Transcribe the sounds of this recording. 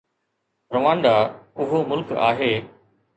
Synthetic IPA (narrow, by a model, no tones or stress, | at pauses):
ɾɐʋãːnɖ̪aʊɦomʊlka̰ːɦeː